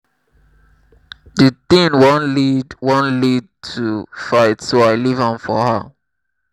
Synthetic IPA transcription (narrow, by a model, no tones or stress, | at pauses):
dətĩnwõnlidwɔ̃nlid̚tʰufaɪtsoaɪlivãnfɔ̰hə